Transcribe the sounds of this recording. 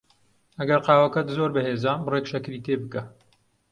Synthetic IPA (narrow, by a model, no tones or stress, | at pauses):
ɐɡɐɾqɑːwɐkɐt̪zoːɾbɐheːzaːmbreːkʃɐkɾiːt̪ʰeːbɨkɐ